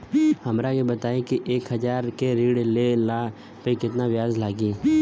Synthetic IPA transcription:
hɐmɾajebɐt̪aːẽkiʔeːkɦɐd͡ʒaːɾkeɾiːɽlelaː | peikɪt̪naʋjaːzlaːɡiː

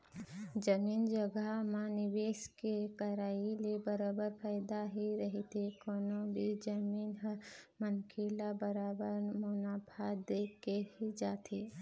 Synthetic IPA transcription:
d͡ʒəmiːnd͡ʒəɡamẽnɪʋeːʃkekɐɾaːilebəɾaːbəɾpʰaːɪd̪aɦiɾɐɦit̪ʰekoːnõbʱid͡ʒəmiːnɦmənkʰelabəɾaːbəɾmʊnaːpʰaːd̪eːkehid͡ʒaːt̪ʰeː

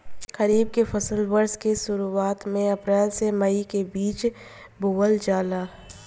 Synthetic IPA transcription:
kɐɾiːb̚kefɐsəlʋɐɾskesʊɾuaːt̪mẽɐpɾɛːlsemɐikebiːt͡ʃ | bʊːwəld͡ʒaːlaː

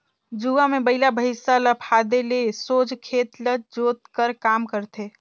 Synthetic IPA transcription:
d͡ʒuʋamebəɪlabʱəɪsaləpʰad̪elesod͡ʒʱkʰet̪ləd͡ʒot̪kəɾkamkəɾt̪ʰe

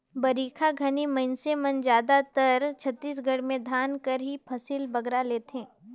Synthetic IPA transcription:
bɐɾiːkʰaɡʱɐnimɐɪnsemɐnd͡ʒjaːd̪at̪əɾt͡ʃʰɐt̪ːiːsɡʱɐɽmẽd̪ʱaːnkɐɾɦipʰɐsiːlbɐɡɾaleːt̪ɦẽː

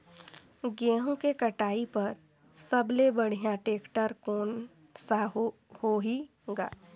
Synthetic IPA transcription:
ɡɛːɦõkekɐʈaːipɐɾ | sɐblebɐɽ̤ijãʈeːkʈəɾkoːn | sa | hoɦi | ɡa̰ː

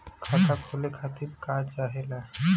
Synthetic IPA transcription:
kʰat̪ʰakʰolekʰat̪ibkat͡ʃaːɦela

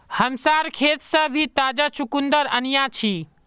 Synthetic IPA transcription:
həmsaɾkʰet̪sə̃bʱit̪ad͡ʒasukund̪əɾə̰nijat͡ʃʰi

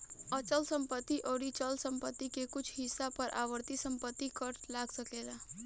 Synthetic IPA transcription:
ət͡ʃəlsəmpət̪ːiʔoɽit͡ʃəlsə̃mpət̪ːikekʊt͡ʃʰɦɪsapəɾʔa̰ʋəɾt̪isəmpət̪ːikəʈlaɡsəkela

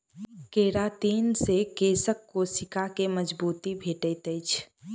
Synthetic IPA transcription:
keɾat̪iːnsekesəkːosikakeməd͡ʒbuːt̪ibʱeʈət̪əjt͡ʃʰ

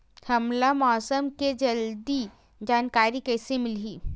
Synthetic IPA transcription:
hɐmlamɔːsəmked͡ʒɐld̪i | d͡ʒaːnkaːɾikɐːsemɪlɦiː

